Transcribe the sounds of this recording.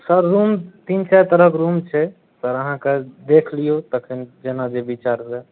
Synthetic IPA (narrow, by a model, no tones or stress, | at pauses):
səɾːumt̪int͡ʃajt̪əɾəkɾumt͡ʃʰɛ | səɾəɦãked̪ekʰlijot̪əkʰind͡ʒenad͡ʒebit͡ʃaɾse